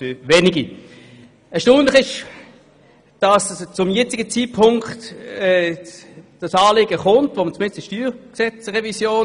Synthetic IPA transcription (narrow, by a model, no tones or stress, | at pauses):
føvɛniɡi | ɛɐʃtoːnləχɪʃ | d̥ɑst͡sʊmjɛt͡sɪɡət͡siːt̚pʰʊŋktɛː | d̥ɑsɑːleːɡəχʊntvomət͡smɪnstɪʃtyːksɛt͡sʁɛvisjoːn